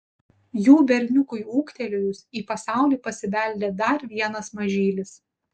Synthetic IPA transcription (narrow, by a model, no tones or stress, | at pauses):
juːbʲɛɾʲnʲʊkʊjuːkt̪ʲɛlʲʊjʊsiːpɐsɑˑʊlʲiːpɐsʲɪʋʲɛˑlʲd̪ʲeːd̪ɐɾʋʲiɛnɐsmɐʒʲiːlʲɪs